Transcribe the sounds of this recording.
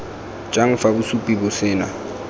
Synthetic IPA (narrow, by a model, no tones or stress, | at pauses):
t͡ʃʼaŋ̩fabʊsupʼibʊsɪːna